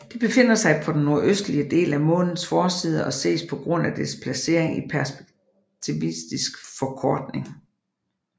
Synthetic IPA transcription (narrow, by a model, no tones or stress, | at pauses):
d̥e̝b̥e̝fe̝n̰ɐsɑ̈ɪpʰɒ̽d̥en̩ːo̝ɐʔøsd̥liəd̥e̝̰ːlæmɔ̽ːnn̩ˠsfɒːsiːð̞ˠəʔɒ̽se̝̰ːspʰɒ̽ɡ̥ʁɔ̽n̰æd̥espʰlæse̝̰ɐ̰eŋipʰæɐsb̥e̥ɡ̥ | t͡sʰiʋisd̥isɡ̥fɒ̽kʰɒːd̥ne̝ŋ